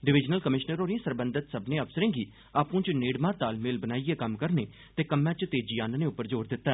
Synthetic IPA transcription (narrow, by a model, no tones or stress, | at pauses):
ɖɪʋɪd͡ʒnəlkəmɪʃnəɾɦoːɾĩsəɾbənd̪ət̪səbnẽːəʋsəɾẽːɡiː | aːpũːt͡ʃneːɽmãːɾt̪aːlmeːlbənaːieːkəmkəɾneː | t̪eːkəmːɛ̃ːt͡ʃt̪eːd͡ʒiːaːnnẽːʊpːəɾd͡ʒoːɾd̪ɪt̪ːaː